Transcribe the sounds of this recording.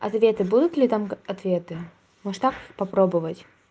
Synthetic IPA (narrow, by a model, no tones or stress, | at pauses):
ɐt̪vʲet̪ɨbud̪ʊt̪lʲɪt̪amɐt̪vʲet̪ɨ | mɔʂt̪akɨxpɐpɾobɨvətʲ